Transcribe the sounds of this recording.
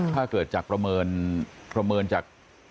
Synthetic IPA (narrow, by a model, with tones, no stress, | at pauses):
t̪ʰaː˥˩kɤː˨˩t̪̚t͡ɕaː˨˩k̚pɾa˧mɤː˧npɾa˧mɤː˧nt͡ɕaː˨˩k̚